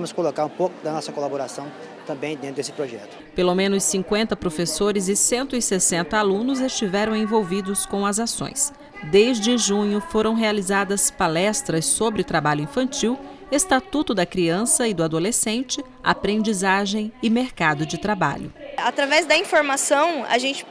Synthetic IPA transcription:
ɐmʊskolokaɾũpokʊd̪ɐnɔsɐkolaboɾasɐ̃w̃ | t̪ɐ̃mbẽj̃d̪ẽt̪ɾd̪esɪ̥pɾoʒɛt̪ʊ̥pelomẽnʊsːĩŋkwẽnt̪ɐpɾofesoɾɪzɪsẽnt̪ʊɪsesẽnt̪ɐalũnʊzest͡ʃivɛɾɐ̃w̃ẽvowvid̪ʊskõw̃ɐzasõ̰j̃s | d̪ejzd͡ʒɪɪʒũɲʊfoɾɐ̃w̃ɦealizad̪ɐspalɛst̪ɾɐsːobɾɪʊt̪ɾabaʎʊĩfɐ̃nt͡ʃiw | est̪at̪ut̪ʊd̪ɐkɾiɐ̃sɐɪd̪ʊad̪olesẽnt͡ʃɪ | a̰pɾẽnd͡ʒizaʒẽj̃ɪmeɾkad̪ʊd͡ʒɪt̪ɾaba̰ʎʊ̰at̪ɾavɛzd̪ɐĩfoɾmasɐ̃w̃ɐ̰ʒẽnt͡ʃɪ̥

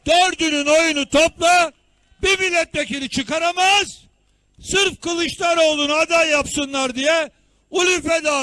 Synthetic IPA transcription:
d̪̥øɾd̪ynyno̞junut̪ʰoplˠa | bivilʲɛt̪̚bekilʲit͡ʃʰɯkaɾamaz̥ | sɯɾfkɯlˠɯʃlˠaɾo̞lˠunad̪ajːapsɯnlˠaɾd̪ijɛ | ulʲyfɛd̪aː

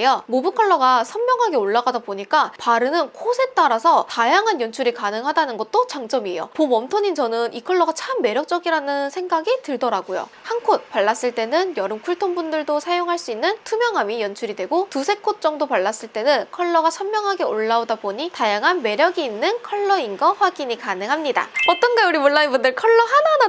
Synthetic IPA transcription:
jomobɯkʰʌɭːʌɡasʰʌmːjʌŋɦaɡe̞oɭːaɡadaboɲik͈apaɾɯnɯnkʰosʰe̞t͈aɾasʰʌtajaŋɦanjʌnt͡ɕʰuɾikanɯŋɦadanɯnɡʌt̚t͈ot͡ɕaŋd͡ʑ͈ʌmie̞̰jo̰pomʌmtʰoɲint͡ɕʌnɯnʔikʰʌɭːʌɡat͡ɕʰamːe̞ɾjʌk̚t͡ɕ͈ʌɡiɾanɯnsʰe̞ŋɡaɡitɯɭdʌɾaɡojo̰ | hankʰot̚paɭːas͈ɯɭt͈e̞nɯnjʌɾɯmkʰuɭtʰonbundɯɭdosʰajoŋɦaɭs͈uinːɯntʰumjʌŋɦamijʌnt͡ɕʰuɾidwe̞ɡotusʰe̞kʰot̚t͡ɕ͈ʌŋdopaɭːas͈ɯɭt͈e̞nɯnkʰʌɭːʌɡat͡ɕʰʌmmːjʌŋɦaɡe̞oɭːaodaboɲitajaŋɦanme̞ɾjʌɡiːnːɯnkʰʌɭːʌinɡʌɸwaɡiɲikanɯŋɦamɲida̰ʌt͈ʌnɡauɾimuɭːainbundɯɭkʰʌɭːʌɦanana

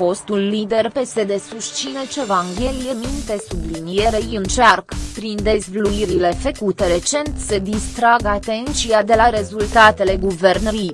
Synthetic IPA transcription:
fo̞st̪ulːid̪e̞rpe̞se̞d̪e̞suʃt͡ʃinet͡ʃevaŋɡʲe̞lijemint̪e̞sublinieɾejɨnt͡ʃarkpɾind̪e̞zvluiɾile̞fekut̪eɾe̞t͡ʃe̞nt̪səd̪ist̪ɾaɡat̪e̞nt̪t͡ʃijad̪e̞laɾe̞zult̪at̪e̞le̞ɡuve̞rnəɾi

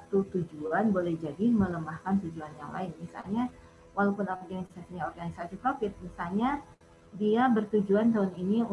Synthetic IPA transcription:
at̪ut̪ud͡ʒuanbolɛhd͡ʒadimələmahkant̪ud͡ʒuanja̰ŋla̰ɪnmisa̰lɲa | walapʊnapaaŋkisasiɲaɔrɡanisasipɾafɪt̪̚misalɲa | diabərt̪ud͡ʒuant̪aʊnini

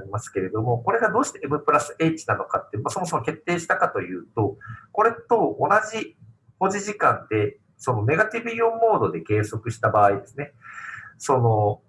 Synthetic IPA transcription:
ɾʲimasɨ̥ke̞ɾe̞d̪o̞mo̞ko̞ɾe̞ɡad̪o̞ːɕi̥t̪eemɯ̟pɯ̟ɾasɨe̞ːt͡ɕi̥nano̞kat̪ːemaso̞mos̬omoke̞t̪ːe̞ːɕi̥t̪akat̪o̞jɯ̟ːt̪o̞ko̞ɾe̞t̪o̞onaʑi | ho̞ʑiʑikãnd̪e̞ | so̞no̞ne̞ɡat̪ʲibɯ̟jomːo̞ːd̪o̞d̪e̞ke̞ːso̞kɯ̟ɕi̥t̪abaːid̪e̞sɨne̞ | so̞no̞

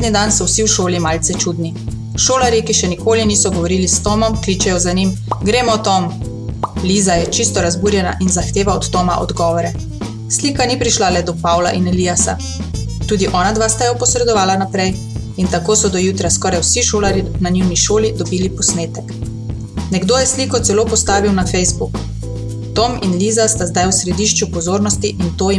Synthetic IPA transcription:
d̪nid̪ansɔwsiwʃoːlimaːlt̪sɛt͡ʃud̪ni | ʃoːlaɾjikiʃɛnikoːlinisɔɡɔʋɔɾiːlist̪ɔmɔmkliːt͡ʃɛjɔzanim | ɡɾeːmɔt̪ɔm | lizajɛt͡ʃist̪ɔɾazbuːɾjɛna̰ʔinzaxt̪eːʋaɔt̪ːɔma̰ʔɔ̰d̪ɡɔːʋɔɾɛ | sliːkanipɾiʃlalɛd̪ɔpaːwla̰ʔinelijasa̰ | t̪uːd̪iʔɔːnad̪ʋaːst̪ajɔpɔsɾɛd̪ɔʋaːlanapɾɛj | int̪akoːsɔd̪ɔjuːt̪ɾaskɔːɾajwsiʃoːlaɾinaniwniʃoːlid̪ɔbiːlipɔsneːt̪ɛk | nɛɡd̪oːjɛsliːkɔt̪sɛloːpɔst̪aːʋiwnafɛjzbuk | t̪ɔminliːzast̪azd̪ajwsɾɛd̪iːʃt͡ʃupɔzoːɾnɔst̪iʔint̪oːi

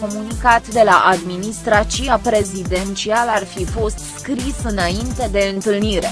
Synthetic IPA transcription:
o̞munikat̪d̪e̞laʔad̪minist̪ɾat͡ʃiapɾe̞zid̪e̞nt͡ʃialarfifo̞st̪skɾisɨnaint̪e̞d̪e̞ɨnt̪ɨlniɾe̞

